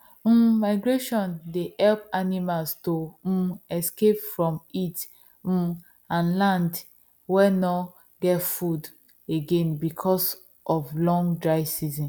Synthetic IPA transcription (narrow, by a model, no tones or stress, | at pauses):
maɪɡɹeʃɔ̃ndehɛlpanimalsto | ɛskepfɹɔ̃mit̩ | ãnlãnd | wɛnɔ | ɡɛtfud | eɡẽnbikʰɔs | ʔɔflɔ̃ŋɡdɹaɪsizɔ̃n